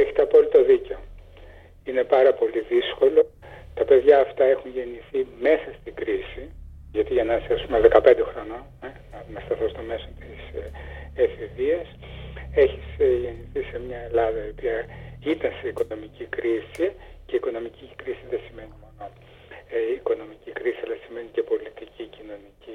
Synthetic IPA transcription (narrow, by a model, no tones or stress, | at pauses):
eçi̥t̪eɐpolit̪o̞ðiceo̞ | ine̞pɐɾɐpo̞liðisko̞lo̞ | t̪ɐpeðʝɐːft̪ɐe̞xunʝe̞niθime̞sɐst̪iɡɾisi | ʝɐt̪iʝɐnɐsɐsumeðekɐpe̞nd̪e̞xɾo̞no̞ | enɐnɐst̪ɐθo̞st̪o̞me̞so̞nt̪is | efiviɐs | e̞çisʝe̞niθise̞mɲɐe̞lɐðɐio̞piɐit̪ɐnseiko̞no̞micikɾisice̞ikono̞micikɾisiðesime̞nimoloː | ko̞no̞micikɾisiɐlɐsime̞nice̞po̞lit̪icicino̞nici